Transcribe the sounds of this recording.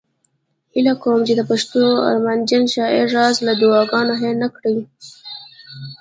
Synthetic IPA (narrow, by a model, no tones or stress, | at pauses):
hɪlakawmt͡ʃed̪əpaʃt̪oa̰ɾmand͡ʒanʃɑeʐɑzlad̪uɑɡɑnoɦenakɽəwi